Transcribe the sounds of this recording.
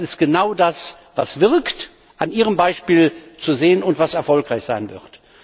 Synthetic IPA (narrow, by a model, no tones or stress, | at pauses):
ɪst̚ɡ̥ənaʊdas | va̰sv̥ɪʁkt | ʔanʔiːʁ̞əmbaɪʃpiːlt͡suzeːənʊntv̥asɛɐfɔlkʁaɪçz̥aɪnvɪ̰ɐt